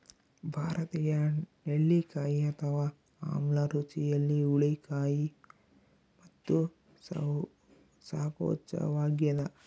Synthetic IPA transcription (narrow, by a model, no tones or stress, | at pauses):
bʱaːɾɐt̪iːjɐneɭːikaːjiɐt̪ʰɐʋaː | a̰ːmlɐɾut͡ʃijɐlːiuɭikaːji | mɐt̪ːu | saːpo̰ːt͡ʃɐ̰ʋaːɡjɐd̪ɐ